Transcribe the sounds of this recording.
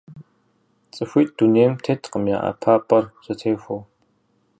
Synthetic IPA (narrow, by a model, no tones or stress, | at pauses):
t͡sʼɨxʷiːt̚d̥uneːjmtʰetʰqəmja̰ːʔɐ̰pʰaːpʼɐrsɐtʰeːxʷow